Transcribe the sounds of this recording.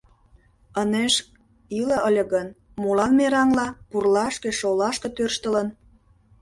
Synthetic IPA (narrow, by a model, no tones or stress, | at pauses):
əneʃ | ilə̆ʔəlʲə̆ɣən | mulɑnmeɾɑŋlɑpurlɑʃkeʃolɑʃkĕt̪ørʃt̪ələn